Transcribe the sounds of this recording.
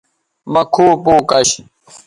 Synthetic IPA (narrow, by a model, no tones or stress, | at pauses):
mɐkʰoːpoːkɐɕ